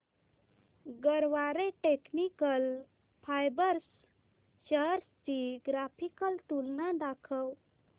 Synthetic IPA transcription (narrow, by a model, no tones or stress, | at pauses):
ɡəɾʋaɾeʈeknikəl | pʰajbəɾs | ɕəɦəɾst͡ɕiɡɾapʰikəlt̪ulnãd̪akʰəw